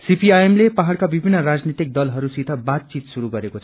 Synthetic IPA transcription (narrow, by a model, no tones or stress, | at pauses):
sipiajemlepaɦaɭkabibʱinːʌɾad͡znit̪ik̚d̪ʌlɦʌɾusit̪ʰʌbat̪̚t͡sit̪suɾuɡʌɾekot͡sʰʌ